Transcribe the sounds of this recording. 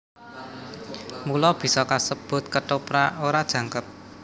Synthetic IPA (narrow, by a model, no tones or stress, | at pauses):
mulɔb̥i̤sɔkasəb̥ʊ̤t̪̚kəʈopɾaoɾad̥ʒ̥ä̤ŋkət̪̚